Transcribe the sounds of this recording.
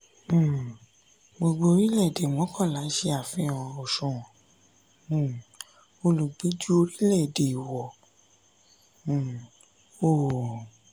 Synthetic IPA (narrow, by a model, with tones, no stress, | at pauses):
ɡ͡bo˧ɡ͡bo˧o˧ɾi˦lɛ˦˨de˨m̃˨ɔ̃˨˦kʰɔ̃˦˨la˨˦ʃe˧˦a˨fĩ˧˦˨o˨ʃũ˨ɔ̃˨ | o˧lu˨ɡ͡bi˨˦d͡ʒu˦o˧ɾi˦lɛ˦˨de˨i˨wɔ˨ | o˦˨